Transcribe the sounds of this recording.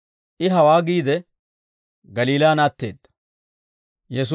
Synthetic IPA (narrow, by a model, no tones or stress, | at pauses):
ʔɪɦɐwaːɡiːd̪ɛ | ɡɐliːlaːnaːt̪ːḛːd̪ːɐ̥ | jɛs̬